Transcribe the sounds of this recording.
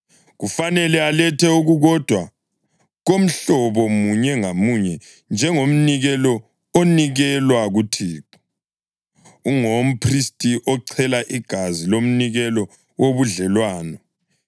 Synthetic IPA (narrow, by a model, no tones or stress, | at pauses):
ɣufanɛlɛalɛtʰɛuɣuɣɔd̥ʱwa | ɣom̩ɬɔβɔmuɲɛŋamuɲɛ | nd͡ʒʱɛŋom̩niɣɛlɔ | oniɣɛlwaɣutʰiːǁu̥ | uŋom̩pʰristʼiʔɔǀʰɛlaʔiɡ̥ʱazilom̩niɣɛlɔ | woβuɮɛlwaːnɔ